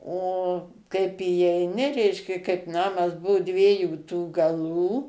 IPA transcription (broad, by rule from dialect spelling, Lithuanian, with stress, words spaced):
oː kɐɪp iːɛɪˈnʲɪ ˈrʲɛɪʃʲkʲɛ kɐɪp ˈnɑːmɐs ˈbʊʋʊ ˈdʲʋʲiɛjuː tuː ɡɐˈlˠuː